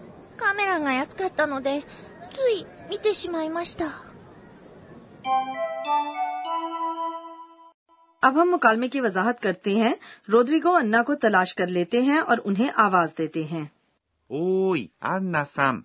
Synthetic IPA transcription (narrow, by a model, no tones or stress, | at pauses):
kame̞ɾaɡajasɨ̥kat̪ːanod̪e̞ | zɨimʲit̪e̞ɕimaimaɕi̥t̪a | ɐbɦɐ̃mːʊkaːlmekiʋɐzaːɦət̪kɐɾt̪eɦɛ̃ɾoːd̪ɾiɡoɐ̃nːakot̪ɐlaːʃkɐɾleːt̪eɦɛ̃ʔɔːɾʊnɦẽʔaːʋaːzd̪eːt̪eɦɛ̃ː | oːiɐ̰nːasam